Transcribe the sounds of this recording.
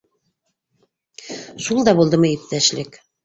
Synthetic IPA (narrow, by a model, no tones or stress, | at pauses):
ʃulˠd̪ɑbulˠd̪ɤmæjip̚t̪æʃlɘk